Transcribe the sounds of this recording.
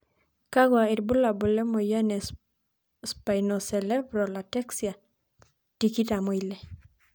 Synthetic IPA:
kaɡwaiɾbulabolemojanes | spajnoselebɾolateksja | tikitamoile

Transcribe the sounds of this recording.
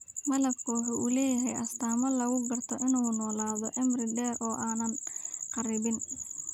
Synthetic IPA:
mɐlɐɡkʰɔːħuʔulɛːjɐɦɛjʔɐst̪ʰaːmɐlɐɣʊɡɐrt̪ʰɔʔɪnuːnɔːlaːðɔʔɛmrɪd̪ɛːrʔɔːʔaːnɐnqɑɾɪβɪn

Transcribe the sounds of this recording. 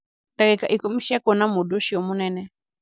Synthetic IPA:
dakɛkaʔikɔmiʃiakɔnamuɗɔʃiɔmunɛnɛ

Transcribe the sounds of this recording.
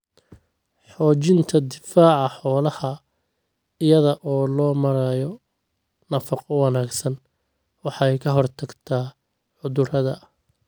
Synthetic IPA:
ħɔːt͡ʃɪnt̪ʰɐd̪ɪfaːʕɑħɔːlɐhɐ | ɪjɐðɐʔɔːlɔːmɐɾajɔ | nɐfɐqɔwɑnaːɡsɐn | wɑħɑjkʰɐɦɔrt̪ʰɐɡt̪ʰaː | ʕʊðʊrɐðɐ

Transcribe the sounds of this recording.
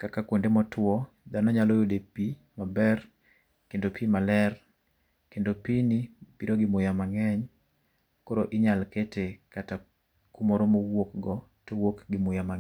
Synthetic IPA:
kakakwondemɔtwɔ | danɔɲalojodepi | mabɛr | kendopʰimalɛr | kendopinipiɾoɡɪmʊjamaŋɛɲ | koɾoʔɪɲalketekata | kumoɾomowokɡɔ | towokɡɪmʊjama

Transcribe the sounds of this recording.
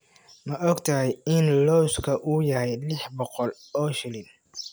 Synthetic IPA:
mɐʔɔɡt̪ʰɐɦɛjɪnlɔwskʰɐʔuːjɐhɛjlɪħbɔqɔl | ɔːʃɪlɪn

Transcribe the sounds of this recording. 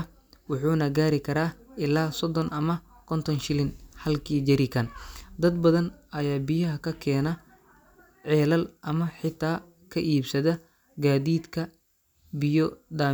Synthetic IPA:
wʊħuːnɐɡaːɾɪkʰɐɾaːɪlaːsɔd̪ɔnʔɐmɐkʰɔnt̪ʰɔnʃɪlɪnhɐlkʰiːd͡ʒɐɾɪkʰɐnd̪ɐd̪bɐðɐnɐjaːbɪjɐɦɐkʰɐkʰɛːnɐ | ʕɛːlɐlʔɐmɐħɪt̪ʰːaː | kʰɐʔiːbsɐðɐ | ɡaːðiːd̪kʰɐ | bɪjɔd̪aː

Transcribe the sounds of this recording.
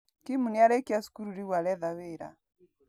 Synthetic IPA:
kimuniaɾɛkiasu̥kuɾuɾiwalɛðaweɾa̰

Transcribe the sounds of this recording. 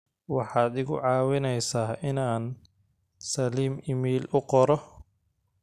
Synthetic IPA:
wɑħɑːd̪ɪɣʊʕɑːwɪnɛjsaːʔɪnaːn | sɐliːmɪmiːlʊqɔɾɔ

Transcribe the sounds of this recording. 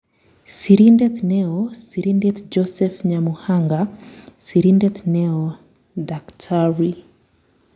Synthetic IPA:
siɾindɛtnɛɔsiɾindɛtd͡ʒɔsɛfɲamuhaŋɡasiɾindɛtnɛɔ | daktʰaɹi

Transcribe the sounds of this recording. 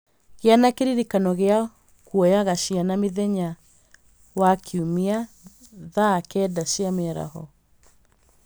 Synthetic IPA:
ɣeanakeɾiɾikanɔɣea | kuɔjaɣaɕianameðɛɲa | wakʰiumia | ðakɛːdaɕiamɛɾa̰hɔ

